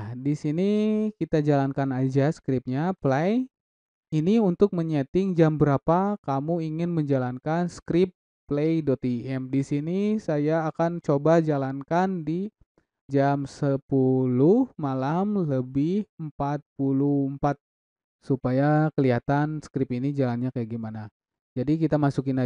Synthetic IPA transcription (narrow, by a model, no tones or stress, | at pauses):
disinikit̪ad͡ʒalankanad͡ʒaskɾɪp̚ɲaplaj | iniunt̪ʊk̚məɲɛt̪ɪŋd͡ʒambəɾapakamuiŋɪnməɲd͡ʒalankanskɾɪpː | lejdɔt̪iɛmdisinisajaːkant͡ʃobad͡ʒalankandi | d͡ʒamsəpulʊhmalamləbɪhəmpat̪̚pulʊhəmpat̪̚ | supajakəliat̪anskɾɪpinid͡ʒalanɲakəɡimana | d͡ʒadikit̪amasukina